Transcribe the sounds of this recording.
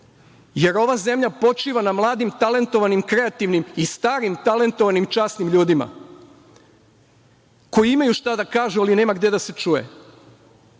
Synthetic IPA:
je̞ɾo̞ʋaze̞mʎapo̞t͡ʃiːʋanamlˠaːd̪imt̪ale̞nt̪o̞ʋanimkɾe̞at̪iʋnimist̪aːɾimt̪ale̞nt̪oʋanimt͡ʃaːsnimʎuːd̪ima̰ | ko̞jiimajuʃt̪ad̪akaːʒualine̞ːmaɡd̪e̞d̪ase̞t͡ʃuːjḛ

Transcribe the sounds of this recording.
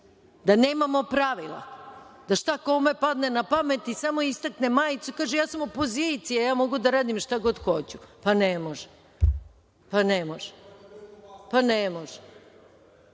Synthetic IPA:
d̪anemamo̞pɾaʋilˠa̰d̪aʃt̪akomepad̪nenapamet̪isamo̞ist̪aknemaːjt̪sukaːʒejaːsamopo̞zit̪sijajaːmo̞ɡud̪aɾaːd̪imʃt̪aɡo̞d̪xo̞t͡ɕupanemoʒɛ | panemoʒɛ | panemoʒɛ

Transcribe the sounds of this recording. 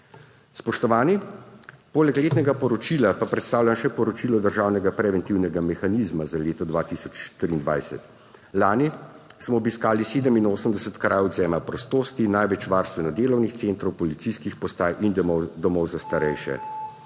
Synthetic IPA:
spɔʃt̪ɔʋaːni | poːlɛkleːt̪nɛɡapɔɾɔt͡ʃiːlapapɾɛt̪st̪aːwlʲjamʃɛpɔɾɔt͡ʃiːlɔd̪əɾʒaːwnɛɡapɾɛʋɛnt̪iwnɛɡamɛxaniːzmazaleːt̪ɔd̪ʋaːt̪isɔt͡ʃt̪ɾiːnd̪ʋa̰jsɛ̰t̪ | laːnismɔːbiskaːliseːd̪əminoːsəmd̪ɛsət̪kɾaːjɔd̪zɛːmapɾɔst̪oːst̪inajʋɛt͡ʃʋaːɾst̪ʋɛnɔd̪eːlɔwnixt̪seːnt̪ɾɔwpɔlit̪siskixpɔst̪aːjʔind̪ɔmɔwzast̪aɾɛjʃɛ̰

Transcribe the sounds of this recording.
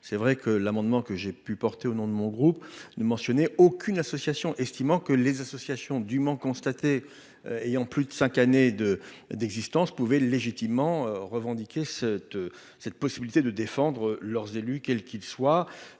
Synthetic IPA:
sɛvʁɛkʰəlamɑ̃d̪mɑ̃kəʒepypɔʁt̪eonɔ̃d̪əmɔ̃ɡʁupnəmɑ̃sjɔnɛokʲʰynasɔsjasjɔ̃ʔɛst̪imɑ̃kəlezasɔsjasjɔ̃d̪ymɑ̃kɔ̃st̪at̪e | ejɑ̃plyd̪əsɛ̃kaned̪ə | d̪ɛɡzist̪ɑ̃spuvɛleʒit̪imːɑ̃ʁəvɑ̃d̪ikʲesɛt̪ | sɛt̪̚pɔsibilit̪ed̪əd̪efɑ̃d̪ʁəlœʁzelykʲɛlkʲilswa

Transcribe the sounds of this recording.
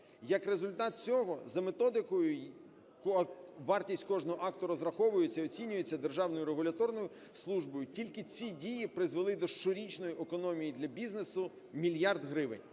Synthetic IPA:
jɐkre̞zʊlʲt̪ɑt̪̚t͡sʲɔɦɔzɐmet̪ɔd̪ɪkɔjʊ | kɔʋɑrtʲisʲtʲkɔʐnɔɦɔʔɑkt̪ʊɾɔzɾɐxɔʋʊjet͡sʲːɐiɔt͡sʲinʲʊjet͡sʲːɐd̪e̞rʒɑwnɔjʊɾeɦʊlʲɐt̪ɔrnɔjʊ | slˠuʒbɔjʊtʲilʲkɪt͡sʲidʲijipɾɪzʋelˠɪd̪ɔʃt͡ʃɔɾʲit͡ʃnɔjiʔekɔnɔmʲijid̪lʲɐbʲiznesʊ | mʲilʲjɑrd̪ɦɾɪʋɪ̰nʲ

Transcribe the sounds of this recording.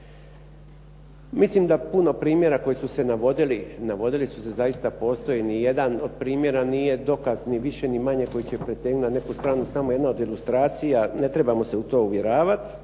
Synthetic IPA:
mislimd̪apuno̞pɾiːmje̞ɾako̞jisuse̞naʋo̞d̪ilinaʋo̞d̪ilisu̥se̞zaist̪apo̞ːst̪o̞jenije̞d̪anod̪̚pɾiːmje̞ɾaniːje̞d̪o̞kazniʋiʃe̞nimaɲe̞ko̞jit͡ɕepɾet̪eːɡunane̞kust̪ɾaːnusamo̞je̞d̪naod̪ilust̪ɾaːt̪sijane̞t̪ɾe̞bamo̞seut̪o̞ːuʋje̞ɾaːʋat̪

